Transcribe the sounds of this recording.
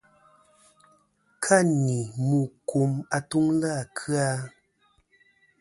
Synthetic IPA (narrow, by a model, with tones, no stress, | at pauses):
kʰa˦˨ni˨mu˨ku˨ma˨tu˦ŋla˦˨kʰɰa˦